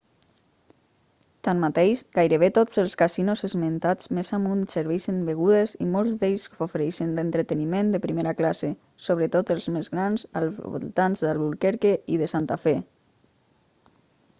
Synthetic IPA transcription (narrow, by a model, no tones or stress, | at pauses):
t̪anmat̪ejʃɡajɾəβet̪ozəlˠskasinozezment̪ad͡zmezamunsəɾβeʃənbeɣ̞uðezimolˠzd̪eʎsofeɾɛʃənlent̪ɾət̪ənimẽnd̪əpɾimeɾaklase | soβ̞ɾət̪ot̪əlˠzmezɣɾanza̰lˠzβṵlˠt̪anzðəlˠβulkeɾkeiðəsant̪afɛ